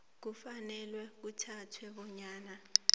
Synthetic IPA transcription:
k̬ufanɛlwɛk̬utʰatʰwɛɓɔɲaːna

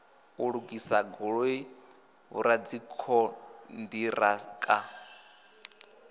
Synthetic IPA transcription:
uɺukʼisaɡɔɺoi | βṵɾad͡zikʰɔndiɾakʼa

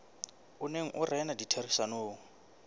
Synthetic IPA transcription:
uneŋ̩ʔʊrɛnaditʰerisanoːŋ̩

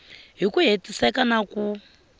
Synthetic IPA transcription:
ɦikuɦetʼisɛkanaku

